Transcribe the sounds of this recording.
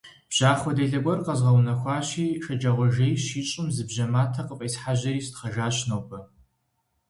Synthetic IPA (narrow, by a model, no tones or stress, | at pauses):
b̥ʑ̥aːχʷwɔdeɮɐɡʷɔrqɐzʁɐwnɐxʷɑːɕiːʃɐd͡ʒɐʁʷɔʒejɕiːt͡ʃʼɪmzɨbʑɐmaːtʰɐqəqʼiːsħaʑɐriːstχɐʒaːɕnowpʰɐ